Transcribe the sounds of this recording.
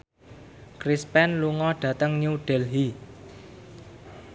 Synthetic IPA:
kɾispɛnluŋɔɖ̥ä̤t̪əŋɲuɖ̥ɛ̤lɦi

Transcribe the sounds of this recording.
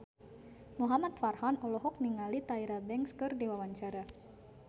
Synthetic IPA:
muɦamat̪farhanɔlɔɦɔk̚niŋalit̪aiɾabɛŋkskɨrdiwawaɲt͡ʃaɾa

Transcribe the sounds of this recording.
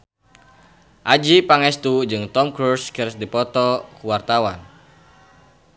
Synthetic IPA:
ʔad͡ʒipaŋɛst̪ud͡ʒɨŋt̪ɔmkɾuskəɾsdipɔt̪ɔkuwart̪awan

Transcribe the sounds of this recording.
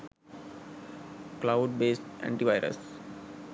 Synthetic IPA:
klaʊɖbeːsʈæ̰̃ɳʈiʋaɪɾə̰s

